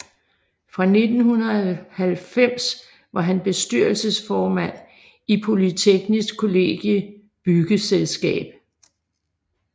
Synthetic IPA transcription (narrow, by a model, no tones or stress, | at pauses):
fʁɑ̈ne̝d̥n̩hunɐðˠhælfem̰s | ʋɑ̈ɦænb̥e̝sd̥yɐlsəsfɒːmæn̰ | ipʰo̝lit͡sʰeɡ̥nisɡ̥kʰo̝le̝ɡ̥jə | b̥yɡ̥əselsɡ̥ɛ̰ːb̥